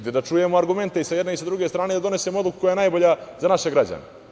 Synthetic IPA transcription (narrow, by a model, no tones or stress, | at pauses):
d̪ed̪at͡ʃuje̞moaɾɡume̞nt̪e̞isajed̪ne̞isad̪ɾuɡe̞st̪ɾaːne̞d̪ad̪o̞ne̞semood̪luku̥ko̞jaenajbo̞ʎazanaʃeɡɾad͡ʑa̰nḛ